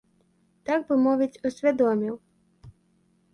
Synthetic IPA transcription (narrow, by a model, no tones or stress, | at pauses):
t̪aɡ̚bɪmɔʋɪt͡sʲʊsʲʋʲɐd̪ɔmʲiw